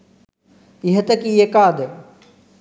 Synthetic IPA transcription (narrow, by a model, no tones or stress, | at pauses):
ɪɦət̪ɐkiːekaːd̪